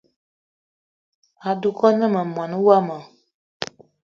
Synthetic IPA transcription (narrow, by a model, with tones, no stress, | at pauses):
a˨du˨kɔ˦nɛ̃˦mə̃˨mɔ̃˨nũ˦wa˦mã˨